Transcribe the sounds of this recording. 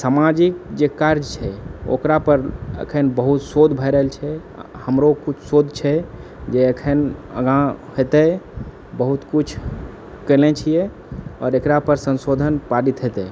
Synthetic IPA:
samad͡ʒik̚d͡ʒekaɾd͡ʒt͡ʃʰɛo̰kɾapəɾə̰kʰənbəɦut̪sod̪ʱbʱəjɾəɦelt͡ʃʰɛ | həmɾokut͡ʃʰsod̪ʱt͡ʃʰɛ | d͡ʒeəkʰənə̰ɡãɦet̪ɛ | bəɦut̪kut͡ʃʰ | kəlɛt͡ʃʰijɛ | ɔ̰ːɾekɾapəɾsə̃nsod̪ʱənpaɾit̪ɦet̪ɛ

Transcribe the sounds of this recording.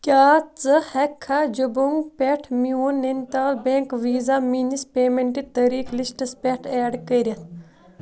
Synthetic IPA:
kʲaːt͡sɨhɐkʰːad͡ʒubuŋɡpeʈʰmiuːnːent̪aːlbeŋkʋiːzaminispeːmeɳʈit̪ɐɾiːklisʈɐspʲeʈʰeːɖkɐɾʲɐt̪ʰ

